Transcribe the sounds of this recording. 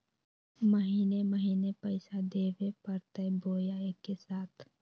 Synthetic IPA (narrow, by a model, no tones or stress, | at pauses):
məɦiːneməɦiːnepəɪsad̪eːʋepɐɾt̪əboːjaekesaːt̪ʰ